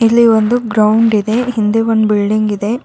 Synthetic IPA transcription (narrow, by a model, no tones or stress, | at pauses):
ilːiʋond̪uɡɾɐuɳɖid̪e̞ɦind̪eʋonbiɭɖiŋɡid̪e̞